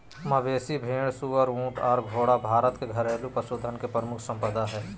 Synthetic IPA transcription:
məʋeːsibʱeːɽsuːəɾũːʈɔːɾɡʱoːɽabʱaːɾət̪keɡʱəɾeːlupəsoːd̪ʱənkepɾəmʊkʰsə̃mpəd̪aɦɛː

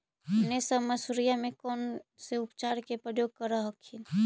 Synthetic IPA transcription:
ɦənesəbməsuɾijamẽkɔːnseʊpt͡ʃaːɾkepɾəjoɡ̚kəɾəɦəkʰːin

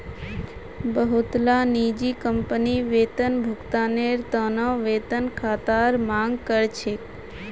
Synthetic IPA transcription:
bəɦut̪lanid͡ʒikəmpəniʋeːt̪ənbʱʊkt̪aneɾt̪ənə̃ʋet̪ənkʰat̪aɾmãŋɡkəɾt͡ʃʰe

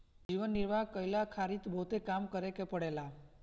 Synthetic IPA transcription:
d͡ʒiʋənːiɾʋaɦkəjlakʰaɾit̪bʱot̪ekamkəɾekepəɽela

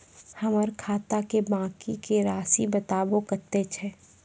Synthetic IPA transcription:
hɐməɾkʰaːt̪akebãːkikeɾaːsibət̪aːbõkəɾt̪et͡ʃʰɛː

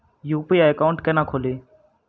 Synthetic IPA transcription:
juːpiːaːəkaʊɳʈkeːnãːkʰoːleː

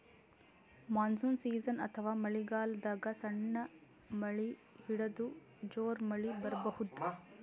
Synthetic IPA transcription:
maːnsuːnsiːzɐnɐ̰t̪ʰɐʋaːmɐɭiɡaːld̪aːɡɐsɐɳːɐ | mɐɭihiɽɐd̪u | d͡ʒoːɾmɐɭibɐɾɐbɐhud̪u

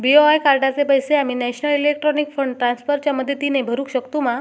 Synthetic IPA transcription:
bioajkaɾʈat͡sepəjseamiːnɛɕnəlilek̚ʈɾɔnikfəɳɖʈɾansfəɾt͡ɕjaməd̪ʱːjet̪inebʱəɾuːkɕəkt̪uma

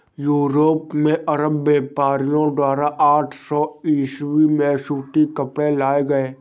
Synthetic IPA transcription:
juːɾoːpmẽʔɐɾəbːeːpaːɾijõɖ̪aːɾaʔaːʈʰsɔːiːʃwimẽsuːʈikəpɽelaːeɡɐeː

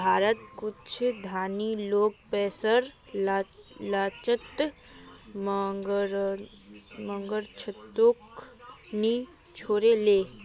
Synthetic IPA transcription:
bʱaːɾət̪kʊt͡ʃʰd̪ʱaːniloːk̚pɛːsəɾ | lat͡ʃət̪ | mɡɾ | mə̃ŋɡəɾt͡ʃʰət̪ːok | ni | t͡ʃʰoːɾeleː

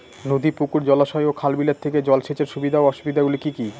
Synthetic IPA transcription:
nod̪ipukuɾd͡ʑɔlaʃɔeokʰalbilat̪ʰeked͡ʑɔlʃet͡ɕeɾʃubid̪ʱaoɔʃubid̪ʱaɡulikiki

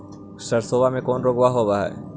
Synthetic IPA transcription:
səɾsoːbamẽkɔːnɾoːɡʋaɦobaɦɛ̰ː

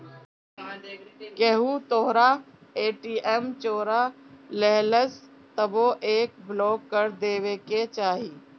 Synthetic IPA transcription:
keɦut̪oɦɾa | eːʈiːʔɛmt͡ʃoːɾalɛɦləs | t̪əboʔeːk̚bloːkːəɾd̪eːʋeket͡ʃaːɦiː

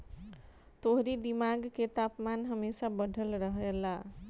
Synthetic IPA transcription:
t̪oɦɾid̪imaɡket̪apmanɦəmesabəɖʱəlɾəɦela

